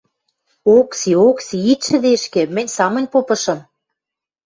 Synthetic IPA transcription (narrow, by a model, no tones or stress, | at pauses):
oksioksiit̪ʃɘ̆d̪eʃkĕmɘ̆nʲsɑmɤ̆nʲpopɤ̆ʃɤ̆m